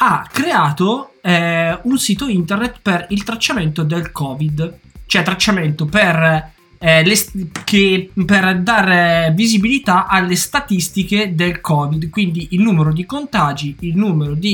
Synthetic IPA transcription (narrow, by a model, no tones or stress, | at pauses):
akːɾeaːt̪o | unsiːt̪oint̪ernet̪perilt̪ɾat͡ʃːament̪od̪elkʰɔːvid̪ | t͡ʃoɛt̪ːɾat͡ʃːament̪oper | leskeperd̪aɾvizibilit̪aʔalːest̪at̪ist̪iked̪elkʰɔːvid̪kwind̪iʔilnuːmeɾod̪ikont̪aːd͡ʒiːlnuːmeɾod̪i